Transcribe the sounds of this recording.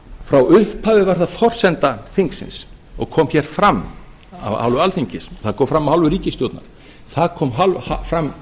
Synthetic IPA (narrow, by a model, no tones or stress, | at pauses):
fɾawʏhphaːvʏvaɾ̥θaðfɔr̥sɛnt̪aθiŋksɪ̰ns | ɔ̰ɣkʰɔːmçɛɾ̥fɾam | a̰va̰wlvʏalθiɲcɪsɔ̥θaðkʰɔːwfɾamːahalvʏɾiːcɪst̪jowt̪na̰ɾ̥ | θaðkʰɔːmɦalhafɾamː